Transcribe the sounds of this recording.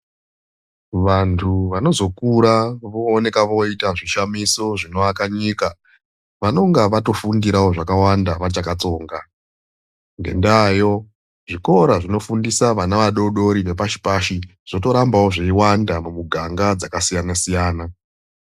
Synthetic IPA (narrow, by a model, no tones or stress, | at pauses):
ʋantʰuʋano̞zo̞kuɾaʋoːne̞kaʋo̞itaʐiʃamiso̞ʐino̞akaɲika | ʋano̞ŋɡaʋato̞fundiɾawo̞ʐakawandaʋat͡ʃakat͡so̞ːŋɡa | ŋɡe̞̰ndaːjo̞ | ʐiko̞ɾaʐino̞fundisaʋanaʋaɗo̞ɗo̞ɾiʋe̞paʃi̥paʃi | ʐ̥o̞to̞ɾambawo̞ʐeiwandamumuɡʱaŋɡad͡zakasijanasijaːna